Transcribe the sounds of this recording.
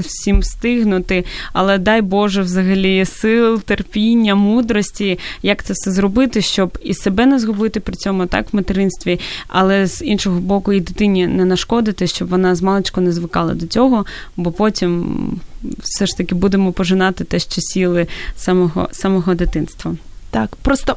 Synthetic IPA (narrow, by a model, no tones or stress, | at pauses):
wsʲimst̪ɪɦnʊt̪ɪɐlˠɛd̪ɑjbɔʒɛwzɐɦɐlʲijsɪlˠt̪erpʲinʲːɐmud̪ɾɔsʲtʲijakt̪sɛsɛzrɔbɪt̪ɪʃt͡ʃɔbisebɛnɛzɦɔbɪt̪ɪpɾʲɪt͡sʲɔmʊt̪ɑ̰kʋmet̪ɪɾɪnst̪ʋʲiɐ̰lˠɛz̥inʃɔɦɔbɔkʊid̪ɪt̪ɪnʲinɛnɐʃkɔd̪ɪt̪ɪʃt͡ʃɔbʋɔnɑzmɑlˠet͡ʃkɔnɛzʋɪkɑlˠɐ̰d̪ɔt͡sʲɔɦɔbɔpɔtʲim | wsɛʂt̪ɐkʲɪbud̪emɔpɔʒɪnɑt̪ɪt̪ɛʃt͡ʃɔsʲilˠɪsamɔɦɔ̰samɔɦɔd̪ɪt̪ɪnst̪ʋɐ | t̪akpɾɔst̪ɔ